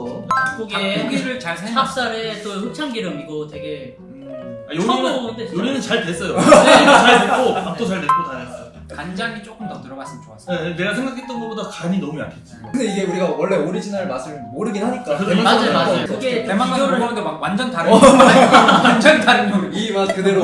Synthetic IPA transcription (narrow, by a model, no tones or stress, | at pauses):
koɡeoɡiɾɯɭt͡ɕaɭsʰeŋʰap̚s͈aɾet͈oçjuk̚t͡ɕʰaŋɡiɾɯmiɡote̞ɡe̞ | ɯajoɾʌejoɾinɯnt͡ɕaɭtes͈ʌjonɯt͡ɕaɭtetk͈ot͈ot͡ɕʌɭdek͈otaɾɯ | kand͡ʑaŋit͡ɕ͈ok͈ɯmtʌtɯɾʌmaɭs͈ɯmɯt͡ɕoas͈ʌneɡasʰeŋɡakʰet͈ʌnɡʌbodakaɲinʌmuja̰pʰis͈ɯakɯnde̞iɡe̞uɾiɡawʌɭːe̞oɾid͡ʑʰinaɭmas͈ʰɯɭmoɾɯɡinhaɲik͈aeamad͡ʑajoad͡ʑajooɡetemaʌɾɯamɯndemak̚wand͡ʑʌntaɾɯ | wand͡ʑʌntaɾɯnoimakkɯde̞ɾo